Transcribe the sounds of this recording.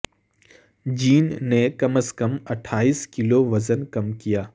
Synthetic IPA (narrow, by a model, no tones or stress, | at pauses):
d͡ʒiːnːekɐməskɐmɐʈʰaːiːskɪloʋɐzənkɐmkijaː